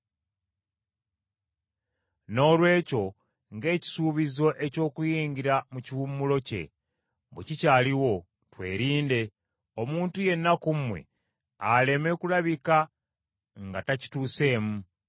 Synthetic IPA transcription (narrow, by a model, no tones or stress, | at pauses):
no̞ːlwe̞ːco̞ | ŋɡe̞ːci̥suːβizo̞ʔe̞co̞ːkujiːɲɟiɾamuciβumːulo̞ce̞̰ | bḛcicaːliwo̞ | twe̞̰ːɾiːnde | omuːntuje̞nːakumwe̞̰ | ale̞me̞kulaβika | ŋɡataci̥tuːse̞ːmu